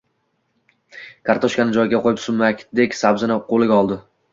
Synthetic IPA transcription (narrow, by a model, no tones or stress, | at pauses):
kʰaɾt̪ʰɒʃkʲanɪd͡ʒɒjɡʲaqʰojɪpsʊmːakʲd̪ekʲsabzɪnɪqʰolˠɪɡʲaɒlˠd̪ɪ